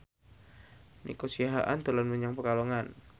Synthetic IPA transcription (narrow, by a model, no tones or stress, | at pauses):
nʔḭkosiaɦaʔant̪əlanmuɲaŋpərkaloŋan